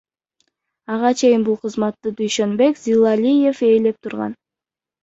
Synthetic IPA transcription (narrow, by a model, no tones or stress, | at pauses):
ɑʁɑt͡ʃʰe̞jɪnbulˠqʰɯzmɑt̪ːɯd̪yjʃø̞nbe̞kzʲilˠalʲije̞fe̞ːle̞p̚t̪ʰuɾʁɑ̰n